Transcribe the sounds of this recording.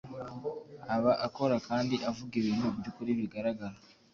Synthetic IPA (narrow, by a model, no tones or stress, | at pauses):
aβaʔako̞ɾakaːndiʔavuɡiβiːnhubjukuɾiβiɡaɾaɡaɾa